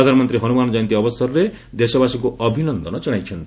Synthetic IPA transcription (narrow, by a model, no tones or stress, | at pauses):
ɔd̪ʱanɔmɔnt̪ɾiɦʌnumanɔd͡ʒɔjnt̪̬iɔbɔst̪ʰɔɾɾe | d̪esɔbasikuɔbʱinɔnd̪ʱɔnɔd͡ʒɔɽ̃ajt͡ʃʰʌnt̪